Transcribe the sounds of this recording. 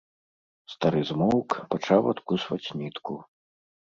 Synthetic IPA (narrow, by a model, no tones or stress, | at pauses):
st̪aɾɨzmɔwkpat͡ʂawɐt̪kusvɐt͡sʲnʲit̪ku